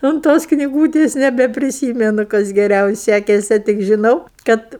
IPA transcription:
ʊnt ˈtoːs knʲɪˈɡuːtʲeːs nʲɛbʲɛpʲrʲɪˈsʲiːmʲɛnʊ ˈkɐs ɡʲɛˈrʲɛʊ ˈsʲækʲɛsʲɛ tʲɪk ʒʲɪˈnɐʊ ˈkɐt

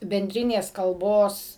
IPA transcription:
bʲɛnʲˈdʲrʲɪnʲeːs kɐlˠˈboːs

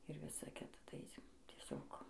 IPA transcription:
ɪr ˈʋʲɪsɐ ˈkʲɪtɐ ˈtɐɪ ɐɪsʲɪm tʲiɛˈsʲoːk

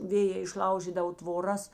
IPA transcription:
ˈʋʲeːjɛː ɪʃˈlˠɐʊʒʲiːdɐʋoː tʋoːˈrɐs

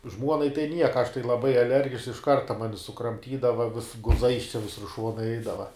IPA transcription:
ˈʒmuɔnɐɪ tɐɪ ˈnʲiɛkɐ ɐʃ tɐɪ lˠɐˈbɐɪ ɐˈlʲɛrʲɡʲɪʃks ɪʃ ˈkɐrtɐ ˈmɑːnʲɪ sʊkrɐmʲˈtʲiːdɐʋɐ ʋʲɪs ɡʊˈzɐɪs ˈʋʲɪsʊr ˈʃuɔnɐɪ ˈɛɪdɐʋɐ

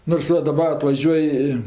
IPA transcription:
noːrs ˈʋɐ dɐˈbɐ ɐtʋɐˈʒʲuɔj ɪ

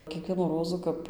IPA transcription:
kʲiɛˈkʋʲiɛnuː ˈroːzuː ˈkɐp

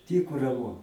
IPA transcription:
ˈtʲiːkʊ rɐˈmʊ

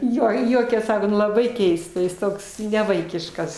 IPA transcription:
ˈjoː ɪr ˈjuɔkʲɛs ˈsɑːkoː ˈnʊ lˠɐˈbɐɪ ˈkʲɛɪstɐ ˈjɪs ˈtoːks nʲɛˈʋɐɪkʲɪʃkɐs

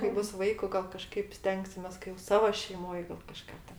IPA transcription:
kɐɪ ˈbʊs ˈʋɐɪkʊ ˈɡɐlˠ kɐˈʃkɐɪp ˈsʲtʲɛŋksʲɪmʲeːs kɐɪ joː ˈsɑːʋoː ʃʲɛɪˈmoːj ɡɐlˠ kɐˈʃkɑː tʲɛn

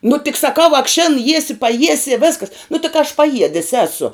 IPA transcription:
nʊ tʲɪk sɐˈkɐʊ ɐk ʃʲɪn ˈjiɛsʲɪ pɐˈjiɛsʲɪ ɪ ˈʋʲeːskɐs nʊ tʲɪ kɐ ɐʃ pɐˈjiɛdʲɪs ˈæːsʊ

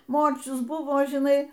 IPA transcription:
ˈmoːrʲt͡ʃʲʊs ˈbʊʋoː ʒʲɪˈnɐɪ

